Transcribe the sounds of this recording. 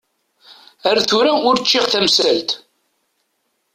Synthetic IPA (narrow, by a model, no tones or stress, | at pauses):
æɾθʊɾæʊɾt͡ʃːɪʁθæmsælt̪